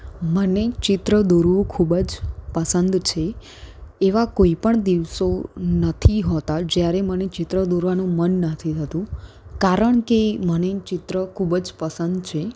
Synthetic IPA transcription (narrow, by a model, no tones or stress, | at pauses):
mənet͡ʃɪt̪ɾəd̪oɾʋũkʰubəd͡ʒpəsənd̪t͡ʃʰeː | ʋakoipəɳd̪iʋsonət̪ʰiɦot̪ad͡ʒjaɾemənet͡ʃɪt̪ɾəd̪oɾʋanũmənːət̪ʰit̪ʰət̪ũ | kaɾəɳkemənet͡ʃɪt̪ɾəkʰubd͡ʒpəsənd̪t͡ʃʰe